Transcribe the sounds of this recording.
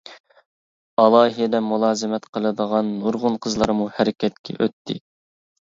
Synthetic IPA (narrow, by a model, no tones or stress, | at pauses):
ɑlˠɑːɦid̪ɛmulˠɑːzɪmɛt̪qʰəlˠɨd̪əʁɑnːuɾʁʊnqʰəzlˠɑɾmuhæɾɪkʲʰɛt̪̚kʲʰɛ̰ʔøt̪ʰːɪ̰